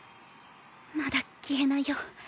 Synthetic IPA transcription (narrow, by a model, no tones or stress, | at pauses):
mad̪akʲienaijo